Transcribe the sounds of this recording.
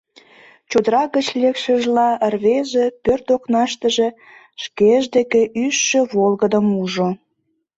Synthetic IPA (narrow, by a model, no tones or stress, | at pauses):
t͡ɕud̪əɾɑɣət͡ɕlekʃə̆ʒlɑərβeʒepørt̪oknɑʃt̪əʒe | ʃkeʒd̪ekeyʃːøβolɣəd̪əmuʒo